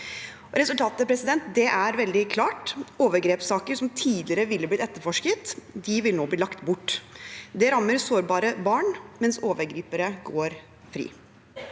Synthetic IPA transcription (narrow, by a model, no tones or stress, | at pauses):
ɾɛsʉlt̪ʰɑːt̪əpʰɾɛsɪd̪ɛnt̪d̪ɛʔæɾʋɛld̪ɪkʰlɑːʈoːʋəɾɡɾeːpsɑːkəɾʂɔmt̪ʰiːd̪lɪɾəʋɪlːəblɪt̪ɛt̪ːəɾfɔʂkət̪d̪ɪʋɪlnoːbliːlɑkt̪bʊʈːd̪ɛɾɑmːəɾsoːɾbɑːɾəbɑːɳmɛnsoːʋəɾɡɾiːpəɾəɡoːɾ | fɾḭː